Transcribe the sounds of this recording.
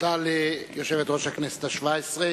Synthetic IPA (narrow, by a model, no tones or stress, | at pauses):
t̪alijoʃevet̪ʁoʃhaknest̪aʃvaesʁe